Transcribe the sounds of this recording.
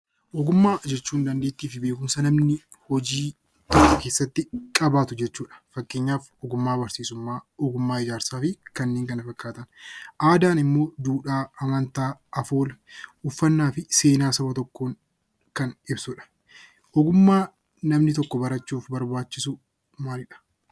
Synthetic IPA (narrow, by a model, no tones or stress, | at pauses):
ʔɔɡʊmːaːd͡ʒɛt͡ʃːuːnd̪ɐnd̪eːt̪ːiːfɪbe̞ːkʊmsɐnɐmnɪ | hɔd͡ʒiː | t̪ɔkːɔke̞ːsːɐt̪ːɪkʼɐbaːt̪ʊd͡ʒɛt͡ʃːuːᶑɐ̥fɐkːe̞ːɲːaːfɔɡʊmːaːbɐɾsiːsʊmːaːɔɡʊmːaːɪd͡ʒaːɾsaːfɪkɐnːeːŋkɐnɐfɐkːaːt̪ɐnʔaːd̪aːnɪmːo̞ːd̪uːᶑaːɐmɐnt̪aːɐfoːlɐʔʊfːɐnːaːfɪse̞ːnaːsɐbɐt̪ɔkːoːŋ | kɐnɪbsʊᶑɐ̥ | ʔɔɡʊmːaː | nɐmnɪt̪ɔkːɔbɐɾɐt͡ʃːuːfbɐɾbaːt͡ʃːɪsʊ | maːlɪᶑɐ̥